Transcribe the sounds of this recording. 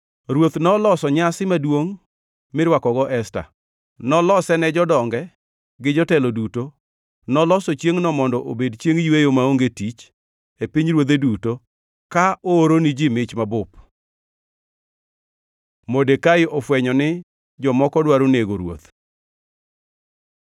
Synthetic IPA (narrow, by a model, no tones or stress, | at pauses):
ɾwot̪nɔlɔsɔɲasɪmadwoŋ | mɪɾwakɔɡɔʔɛsta̰ | nɔlɔsɛnɛd͡ʒɔdɔŋɡɛ | ɡɪd͡ʒɔtɛlɔduto | nɔlɔsɔt͡ʃjeŋnɔmɔndɔʔobedt͡ʃjeŋjwejomaoŋɡetit͡ʃ | epiɲɾwot̪eduto | kaooɾonɪd͡ʒɪmɪt͡ʃmabʊp | modekaɪʔɔfwɛɲɔnɪ | d͡ʒɔmɔkɔdwaɾoneɡoɾwo̰t̪